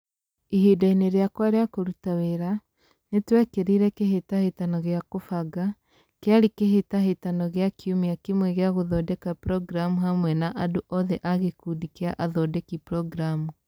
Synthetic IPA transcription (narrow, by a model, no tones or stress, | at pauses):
iɦidaineɾeakwaɾeakoɾutaweɾa | netwɛkeɾiɾɛkeɦetahetanɔɣeakofaɡa | keaɾikeɦetaɦetanɔɣejakʰiumiakimwɛɣeaɣoðɔdɛkapɾɔɡɾamuɦamwɛnaʔadoʔɔðɛʔaɣekudikea̰ʔaðɔdɛkipɾɔɡɾamu